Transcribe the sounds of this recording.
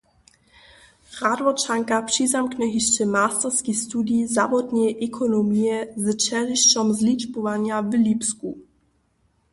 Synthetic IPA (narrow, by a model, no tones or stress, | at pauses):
ʁad̪vɔt͡ʃaŋkapr̥izamknɛɦiʃt͡ʃɛmaːst̪ɛrskixst̪udizavɔd̪ɲɛʔɛkʰɔnɔmijɛzt͡ʃɛriʃt͡ʃɔmzlit͡ʃpɔvaɲjavlipsku